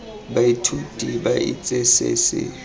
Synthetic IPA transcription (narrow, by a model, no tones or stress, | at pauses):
baitʰutʼibaḭt͡sʼɛsḛsɪ̰